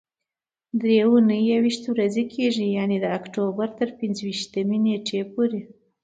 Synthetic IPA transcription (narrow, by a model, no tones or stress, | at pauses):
d̪ɾeunəjawiʃt̪wɾazekʰeʒijaned̪əakʈobaɾt̪əɾpɪnzwiʃt̪əmeneʈʰepoɾe